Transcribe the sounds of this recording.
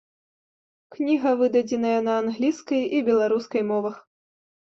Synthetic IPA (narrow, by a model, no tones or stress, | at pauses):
knʲiɣɐvɨd̪ɐd͡zʲɛnɐjɐnɐːnɣlʲiskɐjibʲɛlˠaɾuskɐjmɔvɐx